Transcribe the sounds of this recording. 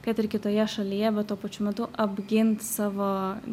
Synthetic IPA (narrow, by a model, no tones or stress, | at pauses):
kɐt̪ɪɾkʲɪt̪oːjɛʃɐlʲijɛbʲɛt̪̚t̪ːuɔpɐt͡ʃʲʊmʲɛt̪ʊʔɐbʲɡʲɪnt̪sɑːʋoː